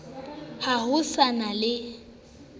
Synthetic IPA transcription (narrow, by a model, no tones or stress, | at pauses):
hahʊsanalɪ